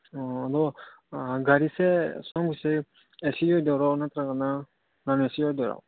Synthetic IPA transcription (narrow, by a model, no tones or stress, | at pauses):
ɔadɔ | ɡaɾisɛsɔmɡuse | ɛsiɔjdɔɾanat̪ɾakana | namɛsiɔjd̪ɔɾa̰w